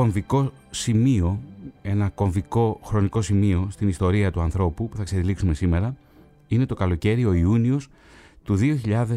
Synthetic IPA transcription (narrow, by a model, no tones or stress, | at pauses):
oɱviko̞ | simio̞e̞nɐko̞ɱviko̞xɾo̞niko̞simio̞st̪inist̪o̞ɾiɐt̪uɐnθɾo̞pupuθɐkseðiliksumesime̞ɾɐ | ine̞t̪o̞kɐlo̞ce̞ɾio̞iunio̞s | t̪uðio̞çiʎɐðe